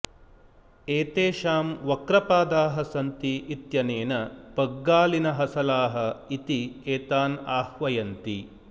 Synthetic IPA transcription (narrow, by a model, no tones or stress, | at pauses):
eːt̪eːʃaːmʋɐkɾɐpaːd̪aːɦɐsɐnt̪iʔːt̪jɐneːnɐpɐɡːaːlinɐɦɐsɐlaːɦɐ̆it̪ieːt̪aːnaːhʋɐjɐnt̪i